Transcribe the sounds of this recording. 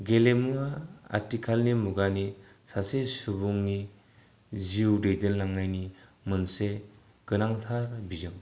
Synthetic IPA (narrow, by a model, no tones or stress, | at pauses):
ɡelemuaa̰ɾtikʰalnimuɡani | sasesubuŋni | ziwdejdɯnlaŋnajnimɯnse | ɡ̥ɯnaŋtʰaɾbizɯŋ